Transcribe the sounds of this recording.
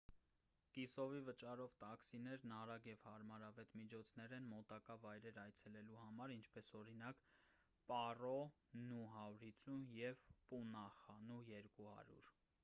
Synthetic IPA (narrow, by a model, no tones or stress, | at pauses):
kisɔvivət͡ʃɑɾɔvt̪ɑksinɛɾnɑɾɑɡjɛvhɑɾmɑɾɑvɛt̪mit͡ʃʰɔt͡sʰnɛɾɛnmɔt̪ɑkɑvɑjɾɛɾɑjt͡sʰɛlɛluhɑmɑɾint͡ʃʰpɛsɔɾinɑk | pɑrɔ | nuɦɑɾit͡sujɛvpunɑχɑnujɛɾkuhɑ̰ɾjṵɾ